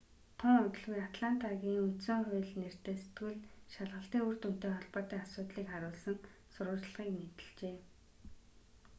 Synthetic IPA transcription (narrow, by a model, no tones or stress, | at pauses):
t̪ʰʊŋʊt̪̆ɮɣujat̪ʰɮan̥t̪aɣʲiːŋunt̪sɵ̆ŋχʊjɮner̥t̪eːse̥t̪ɡŭɮʃaɮʁə̆ɬt̪iːŋur̥t̪un̥t̪eːχɔɮpɔːt̪iːŋasʊːt̪ɮiːkχaɾʊːɮsə̆n | sʊɾʁʊːt͡ɕɮʁ̥iːkmet̪ɘ̆ɮt͡ɕeː